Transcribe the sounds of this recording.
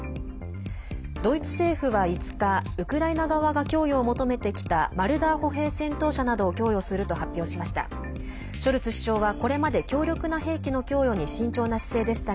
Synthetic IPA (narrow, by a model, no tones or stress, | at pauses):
d̪̥o̞it͡sɨ̥se̞ːɸɯ̟βait͡sɨ̥kaɯ̟kɯ̟ɾainaɡaβaɡakʲo̞ːjo̞ːmo̞t̪o̞me̞t̪e̞kʲi̥t̪amaɾɯ̟d̪aːho̞ɦe̞ːsẽ̞nt̪o̞ːɕanad̪o̞ːkʲo̞ːjo̞sɨɾɯ̟t̪o̞hapʲːjo̞ːɕimaɕi̥t̪a̰ | ɕo̞ɾɯ̟t͡sɨɕi̥ɕo̞ːβako̞ɾe̞mad̪e̞kʲo̞ːɾʲokɯ̟naɦe̞ːkʲino̞kʲo̞ːjo̞ɲ̟iɕĩɲ̟t͡ɕoːnaɕi̥se̞ːd̪e̞ɕi̥t̪a